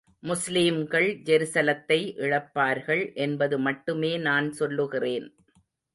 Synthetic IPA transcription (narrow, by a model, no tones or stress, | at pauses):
mʊsliːmɡɐɭd͡ʒɛɾɪsɐlɐt̪ːɐɪʔɪɻɐpːaːɾɣɐɭʔɛnbɐðɯmɐʈːɯmeːnaːnsɔlːɯɣɪreːn